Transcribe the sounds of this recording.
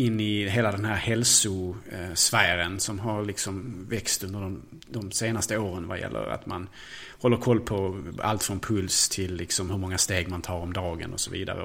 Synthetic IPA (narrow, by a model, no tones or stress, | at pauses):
ɪnːɪɦeːlad̪ɛnɦæːɾhɛlsʊsvæːɾənsɔmɦaɾlɪksɔmvɛkst̪ɵnd̪əɾɖɔm | d̪ɔmseːnast̪əoːɾənva̰jɛ̰lːə̰ɾa̰t̪man | hɔlːəɾkʰɔlːpʰɔa̰lt̪fɾɔnpʰɵlst̪ʰɪlːɪksɔmhɵɾmɔŋːast̪eːɡmant̪ʰɑːɾɔmd̪ɑːɡə̰nɔ̰sɔvḭːd̪a̰ɾə̰